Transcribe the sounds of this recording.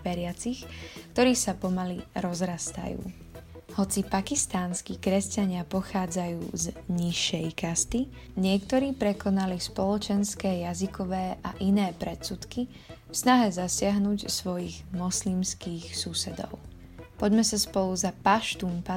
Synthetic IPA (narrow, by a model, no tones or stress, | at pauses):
ʋɛɾɪat͡sixkt̪ɔɾiːsapɔmaliɾɔzɾast̪a̰jṵː | hɔt͡sipakist̪aːnskikɾɛscaɲɪapɔxaːd͡zajuːzɲiʃːɛjkast̪i | ɲɪɛkt̪ɔɾiːpɾɛkɔnalispɔlɔt͡ʃɛnskɛːjazikɔʋɛːʔaʔinɛːpɾɛt̪sut̪ki | fsnaɦɛzasɪaɦnuːcsʋɔjiɣmɔslimskiːxsusɛd̪ɔ̰ʊ | pɔɟmɛsaspɔlˠuzapaʃt̪umpa